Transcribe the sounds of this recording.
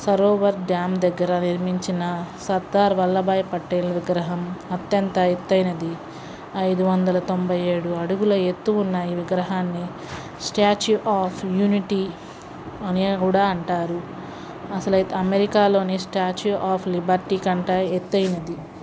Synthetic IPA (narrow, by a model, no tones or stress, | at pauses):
sɐɾoːʋɐɾɖaːmd̪ɛɡːɐɾɐniɾmiɲt͡ʃinɐsɐɾd̪aːɾʋɐlːɐbaːjpɐʈːelʋiɡɾɐɦɐmɐt̪jɐnt̪ɐet̪ːɐjnɐd̪i | ɐjd̪uʋɐnd̪ɐlɐt̪o̞mbʱɐje̞ːɽuɐɽuɡulɐet̪ːuːnːɐiːʋiɡɾɐɦaːnːi | sʈaːt͡ʃuʔaːpʰjuːniʈiː | ɐnikuːɽaːɐɳʈaːɾu | ɐsɐlɐɐmeɾikaːlo̞ːnisʈaːt͡ʃuʔaːpʰlibɐɾʈiːkɐɳʈaːet̪ːɐjnɐd̪i